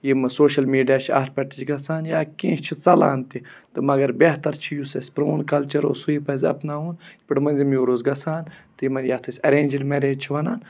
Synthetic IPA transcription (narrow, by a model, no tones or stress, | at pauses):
jimɨsoːʃɐlmiːɖijaːt͡ʃʰiɐ̰ːt̪̚ʰpʲɐʈ̪it͡ʃʰɡɐsaːnjaːkẽːʃt͡ʃʰit͡sɐla̰ːnt̪it̪ɨmɐɡɐɾbʲeht̪ɐɾt͡ʃʰijusɐsʲpɾoːnkɐlt͡ʃɐɾo̰ːsuipɐzʲɐ̰pnaːuːnpʲiʈmɐnzimjoːɾoːzɡɐsaːnt̪ɨjimɐnjɐt̪ʰɐsʲɐɾeːnʲd͡ʒilmeɾeːd͡ʒt͡ʃʰiʋɐnaːn